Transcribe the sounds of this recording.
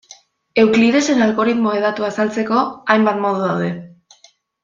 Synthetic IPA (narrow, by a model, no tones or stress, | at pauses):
e̞wkliðe̞se̞nalɣo̞ɾit̪mo̞eð̞at̪uasalt͡se̞ko̞ajmbat̪mo̞ð̞uðawðe̞